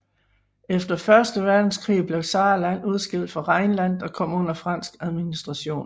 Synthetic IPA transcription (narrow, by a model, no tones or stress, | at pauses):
efd̥ɐfɶɐsd̥əʋæɐd̥n̩skʰʁḭːb̥leʊsɑ̈ːlæn̰uð̞ˠsɡ̥el̰d̥fɒ̽ʁɑ̈ɪnlæn̰dɒ̽kʰɒ̽m̰ɔ̽n̰ɐfʁɑ̈n̰sɡ̥æðˠminisd̥ʁɑ̈ɕo̝̰ːn